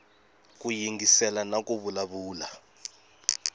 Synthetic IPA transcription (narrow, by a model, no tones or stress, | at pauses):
kujiŋɡisɛlanakʼuβulaβuːla